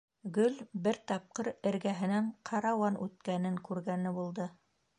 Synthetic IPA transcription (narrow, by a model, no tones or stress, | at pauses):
ɡɵlbɘɾt̪ɑp̚qɤɾɘ̆ɾɡæɦɘ̆næɴqʰɑɾɑwɑnʉt̪kænɘŋkʉɾɡænɘbulˠd̪ɤ